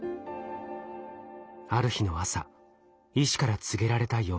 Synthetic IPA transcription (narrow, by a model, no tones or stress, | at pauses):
aɾɯ̟çino̞asa̰ | iɕi̥kaɾat͡sɨɡe̞ɾaɾe̞t̪aijo̞ː